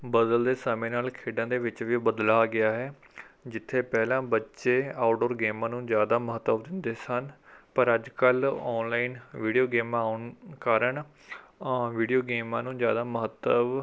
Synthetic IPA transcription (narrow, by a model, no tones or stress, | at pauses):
bəd̪əld̪eːsəmẽːnaːlkʰeːɖãːd̪eːʋɪt͡ʃʋiːbəd̪laːɡɪaːɦɛː | d͡ʒɪt̪ʰːeːpɛːlãːbətːʃeːaːʊʈoːɾɡeːmãːnũːzjaːd̪aːməɦət̪ːəʋd̪ɪnd̪eːsənpəɾəd͡ʒkəlɔːnlaːinʋiːɖijoːɡeːmãːaːʊnkaːɾəɳ | ʋiːɖijoːɡeːmãːnũːzjaːd̪aːməɦət̪ːəʋ